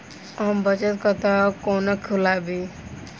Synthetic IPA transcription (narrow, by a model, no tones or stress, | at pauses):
ambʌt͡ʃət̪kɔt̪akonɔkʰulabi